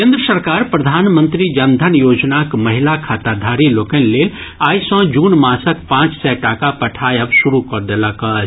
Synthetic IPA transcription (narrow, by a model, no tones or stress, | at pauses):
kẽːnd̪ɾəsəɾkaːɾpɾəd̪ʱaːnmə̃nt̪ɾid͡ʒənd̪ʱənjoːd͡ʒnakməɦɪlakʰaːt̪ad̪ʱaɾiloːkənleːl | aːjsə̃d͡ʒuːnmãsəkpãːt͡ʃsɛʈakapɐʈʰaːjəbsuɾukɔɾd̪eləkə